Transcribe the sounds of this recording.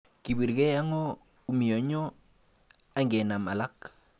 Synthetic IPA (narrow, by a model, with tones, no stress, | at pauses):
ki˨bi˨ɾke˦a˦ŋɔ˦ | u˦mi˨o˨ɲɔ˦ | a˦ŋɡɛ˨na˨ma˨la˦k